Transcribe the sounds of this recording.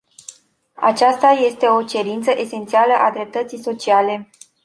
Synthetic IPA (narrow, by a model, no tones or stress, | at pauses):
a̰t͡ʃast̪aje̞st̪e̞o̞t͡ʃe̞ɾint̪səʔe̞se̞nt̪sialəʔad̪ɾe̞p̚t̪ət̪sijso̞t͡ʃiale̞